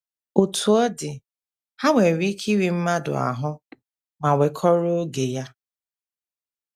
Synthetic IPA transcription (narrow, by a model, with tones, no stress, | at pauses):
o˨tu˨ɔ˦dɪ˨ | ha˦ŋʷe˨ɾi˦kʰi˦ɾi˨m̩˦ma˦dʊ̰˨a̰˨ɦʊ˦ | ma˨wʷe˨kʰɔ˦ɾo˦ɡe˨ja˦